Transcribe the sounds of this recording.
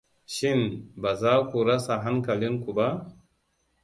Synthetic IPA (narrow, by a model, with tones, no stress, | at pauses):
ʃi˦nba˨za˦ku˨ɾa˦sa˨ɦa˦ŋka˨li˦nku˨ba˦